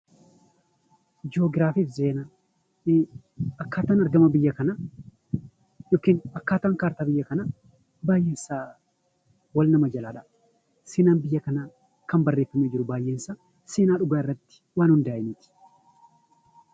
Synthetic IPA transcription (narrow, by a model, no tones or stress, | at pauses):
d͡ʒoːɡɾaːfifzeːna | ɐkːaːt̪aːnɐɾɡɐmɐbɪjːɐkɐnɐ | jɔkːiːnɐkːaːt̪aːŋkaːɾt̪aːbɪjːɐkɐnɐ | baːjʔeːnsaː | wɐlnɐmɐd͡ʒɐlaːᶑɐ | seːnaːnbɪjːɐkɐna | kɐmbɐrːeːfːɐmeːd͡ʒɪɾʊbaːjʔeːnsaː | seːnaːᶑʊɡaːɪrːɐt̪ːɪ̥waːnhʊnd̪aːʔɪnɪt̪ɪ̥